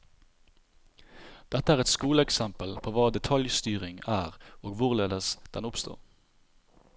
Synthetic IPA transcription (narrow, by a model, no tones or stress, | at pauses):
d̪̥ɛt̪əæːʁɛt̪skuːləɛksɛmpəlpʰoːʋɑːd̪ɛt̪ʰɑljst̪yːʁɪŋæːʁoːɡʋʊʁleːd̪əsd̪̥ɛnʊpst̪o̰ːʁ